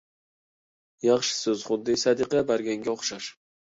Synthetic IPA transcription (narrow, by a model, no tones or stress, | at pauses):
jɑχʃɪ̥sɵzχʊd̪ːɪsad̪ɨqɑbaɾɡʲaŋɡʲaoχʃaʃ